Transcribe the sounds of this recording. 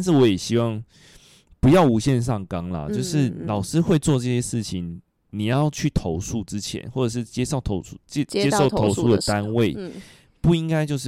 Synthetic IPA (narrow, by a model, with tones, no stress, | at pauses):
ta˥˧nʂ̬ɻ̩˥˩wɔ˧˦jɛ˨˩ɕi˥wɑ˥˩ŋ | pu˧˦jɑ˥˩ʊu˨˥ɕjɛ˥˧nʂ̬ɑ˥˩ŋkɑ˥ŋlɐ̰˨˩t͡ɕjo˥˧ʊʂɻ̩˥˨lɑ˨˩ʊʂɻ̩˥xwe˥˧ɪt͡swɔ˥˧ʈ͡ʂɤ˥˧˩ɕjɛ˥ʂɻ̩˥˩t͡ɕʰi˨˦ŋ | ni˨˩jɑ˥˩˧ʊt͡ɕʰy˥˩t̪ʰo˧˦˥ʊsu˥˨ʈ͡ʂɻ̩˦t͡ɕʰjɛ̰˧˦nxwɔ˥˩ʈ͡ʂɤ˨˩ʂ̬ɻ̩˥˩t͡ɕjɛ˥ʂo˥˩ʊt̪ʰo˧˥ʊu̥˥t͡ɕɛ˥jɛ˥ʂo˥˨˩ʊo˦˧˥ʊsu˥d̪ə˨t̪a˦nwe˥˨ɪ | pu˥˩i˦˥ŋka˥ɪt͡ɕjo˥˧ʊʂ